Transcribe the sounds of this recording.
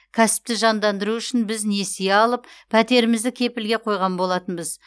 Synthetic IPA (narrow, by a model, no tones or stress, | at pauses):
kʲʰæsɪ̥p̚t̪ɪʒɑnd̪ɑnd̪əɾuʏʃɪnbɪzne̞seeɑlˠəppʰæt̪e̞ɾɪmɪzd̪ɪkʲʰe̞pɪlɡʲe̞qʰo̞jʁɑnbo̞lˠɑt̪ənbəz